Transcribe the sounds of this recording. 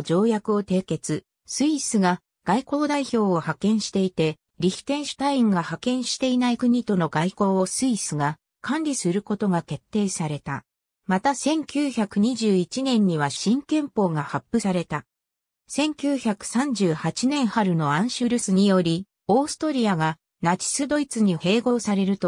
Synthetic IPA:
d͡ʑo̞ːjakɯ̟o̞t̪e̞ːke̞t͡sɨ | sɨisɨɡa | ɡ̥aiko̞ːd̪aiço̞ːohakẽ̞ɰ̃ɕi̥t̪e̞it̪e̞ | ɾʲiçi̥t̪ẽ̞ɰ̃ɕɨ̥t̪aĩŋɡahakẽ̞ɰ̃ɕi̥t̪e̞inaikɯ̟ɲ̟it̪o̞no̞ɡaiko̞ːosɨisɨɡa | kʰãnɾʲisɨɾɯ̟ko̞t̪o̞ɡake̞t̪ːe̞ːsaɾe̞t̪a̰ | mat̪asẽ̞ŋkʲɨːçakɯ̟ɲ̟iʑɨːit͡ɕinẽ̞ɲ̟ːiβaɕĩŋkẽ̞mpo̞ːɡahapːɯ̟saɾe̞t̪a | sẽ̞ŋkʲɨːçakɯ̟̥sãɲ̟d͡ʑɨːhat͡ɕinẽ̞ɰ̃haɾɯ̟no̞ãɰ̃ɕɨɾɯ̟sɨɲ̟ijo̞ɾʲi | o̞ːsɨ̥t̪o̞ɾʲiaɡa | nat͡ɕi̥sɨd̪o̞it͡sɨɲ̟ihe̞ːɡo̞ːsaɾe̞ɾɯ̟t̪o

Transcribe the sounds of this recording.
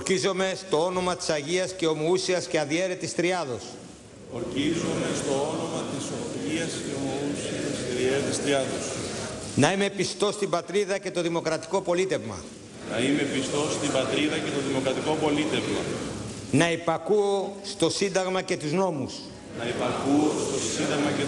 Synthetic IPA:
oɾcizo̞me̞st̪o̞o̞no̞mɐt̪i̥sɐʝiɐsce̞o̞mousiɐsceɐðie̞ɾet̪ist̪ɾiɐðo̞s | oɾcizome̞st̪o̞ono̞mɐt̪iso̞iɐsceomousiɐsceðieɾet̪ist̪ɾiɐðosnɐime̞pist̪o̞st̪ibɐt̪ɾiðɐce̞t̪o̞ðimo̞kɾɐt̪i̥ko̞po̞lit̪e̞vmɐ̰ | nɐime̞pist̪o̞st̪imbɐt̪ɾiðɐce̞t̪o̞ðimo̞kɾɐt̪iko̞po̞lit̪e̞vmɐ̰ | nɐepɐkuost̪o̞sind̪ɐɣmɐce̞t̪uzno̞mus | nɐepɐkuost̪o̞sind̪ɐɣmɐe

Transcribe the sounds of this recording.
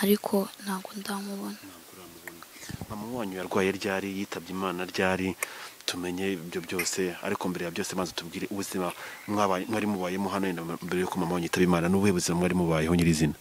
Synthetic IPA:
aɾikʰo̞n̥haːɡondamuβonanaːɡuɾanuβunamamawaːɲujaɾɡwaːje̞ɾɟaːɾijiːtʰaβjiːmaːnaɾɟaːɾitume̞ɲe̞ibjo̞bɟo̞ːse̞a̰ɾikombeɾejabjo̞ːseβaːnzatubɡiːɾe̞ʔuβuzimamŋaβamŋaːɾimuβaːjemuɦanojendambeɾejokomamawaːɲuitaβiːmaːnanuβuheβuzimamŋaːɾimuβaːjehoɲiɾizina

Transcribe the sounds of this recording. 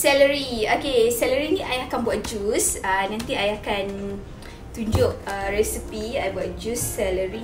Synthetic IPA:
sɛləɾiokesɛləɾinĩʔajakanbuat̪̚d͡ʒusənãnt̪iajakan | t̪uɲd͡ʒʊʔ̚əɾɛsipiajbuat̪̚d͡ʒusːɛləɾi

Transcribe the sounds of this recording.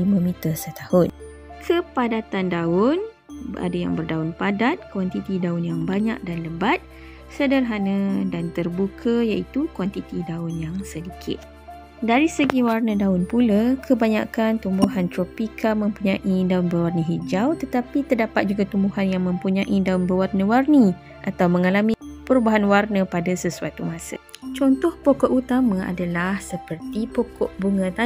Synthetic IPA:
limə̃mĩt̪ərsət̪ahʊn | kʰəpadat̪andaʊn | bʔa̰daja̰ŋbərdaʊnpadat̪̚kwant̪it̪idaʊnjaŋbaɲa̰k̚danləbat̪̚ | sədərɦanə̃dant̪ərbukʰəjaʔit̪ukwant̪it̪idaʊnjaŋsədikʰɪ̰t̪̚ | daɾisəɡiwarnə̃daʊnpulakʰəbaɲa̰kant̪umbuɦant̪ɾɔpikʰamə̃mpuɲãʔidaʊnbərwarnəɦid͡ʒawt̪ət̪apit̪ərdapat̪̚d͡ʒuɡat̪umbuɦanjaŋmə̃mpuɲãʔidaʊnbəwarnə̃warni | ʔat̪awmə̃ŋalamĩpəɾubaɦanwarnə̃padasəsuat̪umãsə̰t͡ʃɔnt̪ɔhpokɔʔut̪amãa̰dalahsəpərt̪ipɔkɔʔbuŋə̃t̪a

